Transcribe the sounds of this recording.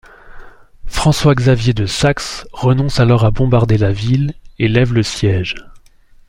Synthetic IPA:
fχɑ̃swaɡzavjed̪əsaksʁənɔ̃salɔʁabɔ̃baʁd̪elavilelɛvləsjɛʒ

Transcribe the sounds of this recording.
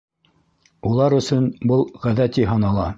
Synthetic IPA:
ulˠɑɾɵ̆sɵnbɤlˠʁæðæt̪iɦɑnɑlˠɑ

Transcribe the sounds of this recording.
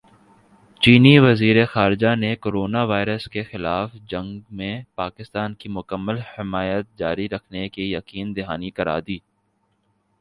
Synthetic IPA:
t͡ʃiːniʋɐziːɾexaːɾɪd͡ʒanekoːɾoːnaʋaːɪɾəskexɪlaːfd͡ʒɐ̃ŋɡmẽpaːkɪst̪aːnkimʊkəmːəlhɪmaːjət̪̚d͡ʒaːɾiɾɐkʰnekijɐkiːnd̪ɪɦaːnikɐɾa̰ːd̪iː

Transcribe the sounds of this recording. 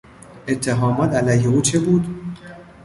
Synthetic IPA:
ʔe̞t̪ʰːeɦɒːmɒːt̪ʰælæjheuːt͡ʃʰebuːd̪

